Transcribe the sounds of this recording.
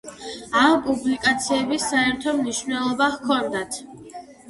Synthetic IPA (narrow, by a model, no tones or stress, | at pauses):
ampʼublikʼat̪sʰiɛbisːaɛɾt̪ʰɔmniʃvnɛlˠɔbakʰɔnd̪at̪ʰ